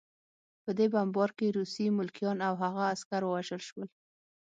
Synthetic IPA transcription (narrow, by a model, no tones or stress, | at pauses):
pəd̪ebambɑɾkeɾusimʊlkjɑnawɦaɣaːskaɾwəwaʒəlʃwəl